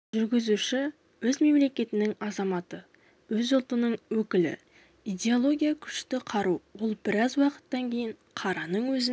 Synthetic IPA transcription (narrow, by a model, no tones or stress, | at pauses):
ʒʏɾɡʲɪzuʃɪ | wɵzme̞mle̞kʲe̞t̪ɪnɪŋɑzɑmɑt̪ə | wɵzʊlˠt̪ənəɴwɵkʲɪlɪ̰ | ijd̪ʲe̞olˠo̞ɡʲijakʲʰʏ̥ʃt̪ɪqʰɑɾuwolˠbɪɾɑzwɑqə̥t̪ːɑŋkʲʰe̞jɪɴ | qʰɑɾɑnəɴwɵzɪ